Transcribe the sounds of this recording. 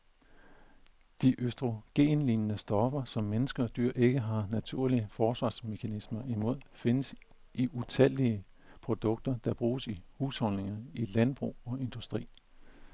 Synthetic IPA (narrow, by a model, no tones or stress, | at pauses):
d̥iʔøsd̥ʁo̝ɡ̥e̝̰ːnliːnənəsd̥ɒ̽fɐsɒ̽mːenəsɡ̥ɐd̥y̰ɐ̰ʔe̝ɡ̥əɦɑ̈næt͡sʰuɐ̰liəfɒːsʋɑ̰̈ːsme̝kʰænismɐimo̝ð̞̰ˠfe̝nəs | ʔiʔut͡sʰɛl̰iə | pʰʁo̝d̥ɔ̽ɡ̥̚d̥ɐd̥ɑ̈b̥ʁuːsihuːshɒ̽nne̝ŋɐilænb̥ʁṵːɒ̽e̝nd̥usd̥ʁḭː